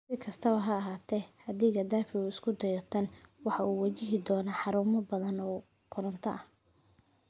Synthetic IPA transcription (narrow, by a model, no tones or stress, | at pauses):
sɪkʰɐst̪ʰɐβɐɦɐːɦaːt̪ʰɛhɐd̪ɪɣɐd̪aːfɪuːɪskʰʊd̪ɐjɔt̪ʰɐnwɑħɑʔuːwɐt͡ʃɪɦɪd̪ɔːnɐħɑɾuːmɐbɐðɐnɔː | kʰʊɾɐnt̪ʰɐʔɐh